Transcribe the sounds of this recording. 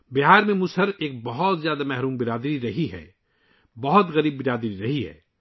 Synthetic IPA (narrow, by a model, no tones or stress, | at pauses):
bɪɦaːɾmẽmʊt͡ʃɐɾeːk̚bɐɦʊt̪zjaːd̪amɛɦɾuːmbɪɾaːd̪ɾiɾɐɦiɦɛ̰ː | bɐɦʊt̪ɣɐɾiːbbɪɾaːd̪ɾiɾɐɦiɦɛ̰ː